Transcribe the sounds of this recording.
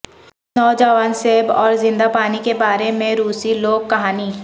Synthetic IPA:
nɔːd͡ʒawənseːbɔːɾzɪ̃nd̪apaːnikebaːɾemẽɾuːsiloːɡ̚kɐɦaːni

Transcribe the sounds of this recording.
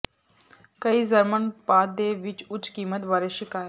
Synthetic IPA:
kəizəɾmənpaːd̪̚d̪eːʋɪt͡ʃʊt͡ʃkiːmət̪baːɾeʃɪkaːjə

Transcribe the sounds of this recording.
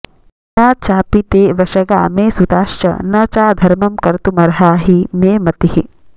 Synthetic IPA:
naːt͡ʃaːpit̪eːʋɐʃɐɡa̰ːmeːsut̪aːʃt͡ʃɐ̰nɐt͡ʃaːd̪ʱɐɾmɐmkɐɾt̪umɐɾɦaːɦimeːmɐt̪ihi

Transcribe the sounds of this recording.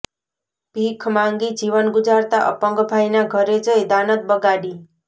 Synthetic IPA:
bʱikʰmaŋɡid͡ʒiʋənɡud͡ʒaɾt̪aʔə̰pəŋɡbʱajnaɡʱəɾed͡ʒəed̪anət̪̚bəɡaɽi

